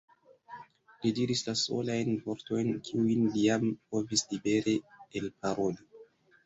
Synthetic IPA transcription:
lidiɾislaso̞̰lajnvo̞ɾto̞jnkʰiujnlijampo̞vislibe̞ɾeelpaɾo̞li

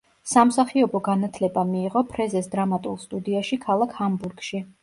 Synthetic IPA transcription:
samsaχiɔbɔɡanat̪ʰlɛbamiːʁɔpʰɾɛzɛsd̪ɾamat̪ʼulˠst̪ʼud̪iaʃikʰalˠakʰhambuɾɡʃi

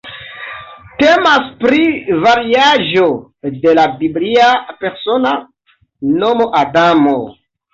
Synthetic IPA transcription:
temaspɾivaɾiaʒo̞de̞labibliape̞ɾso̞na | no̞mo̞ʔadamo

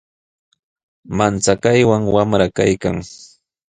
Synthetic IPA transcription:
mant͡sakajwaŋwamɾakajka̰ŋ

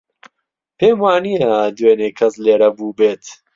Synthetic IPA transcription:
peːmaːnijad̪weːneːkʰɐsleːɾɐbuːbeːt̪

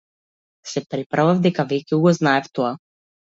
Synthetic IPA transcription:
sɛpɾipɾavavd̪ɛkavɛcʲɛuɡɔznaɛft̪ɔa

